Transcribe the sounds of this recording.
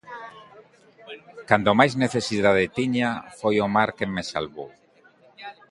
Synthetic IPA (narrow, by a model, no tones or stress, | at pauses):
kand̪omajzneθesiðað̞et̪iɲafojomaɾkemːesa̰lβo